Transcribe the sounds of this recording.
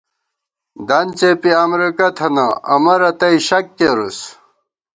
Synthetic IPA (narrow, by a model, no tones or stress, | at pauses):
d̪ɐnt͡sepiamɾikɐt̪ʰɐnɐɐmɐɾɐt̪ɐiɕɐkːeɾus